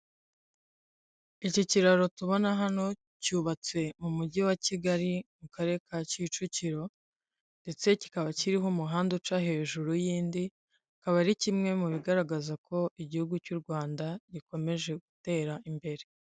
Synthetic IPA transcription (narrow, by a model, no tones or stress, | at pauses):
iciciɾaɾo̞tuβo̞naɦano̞ | cuːβat͡se̞mumuɟiwaciɡaɾimukaɾe̞kacit͡ʃuciɾo̞ | nde̞t͡se̞ci̥kaβaciɾiɦo̞muɦaːndut͡ʃaɦe̞ːʒuɾujiːndi | kaβaɾicimŋe̞muβiɡaɾaɡazakʰo̞iɟihuɡucuːɾɡwaːndaɟiko̞me̞ʒe̞ɡute̞ːɾaʔimbe̞ɾe̞